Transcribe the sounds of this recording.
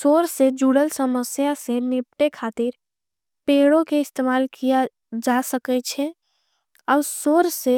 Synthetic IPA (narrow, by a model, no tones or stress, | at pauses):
soːɾsed͡ʒuɽəlsəməsjasenɪp̚ʈekʰaːt̪ɪɾ | peːɽõkeɪst̪emaːlkija | d͡ʒasəkɛt͡ʃʰɛ | ɔːɾsoːɾse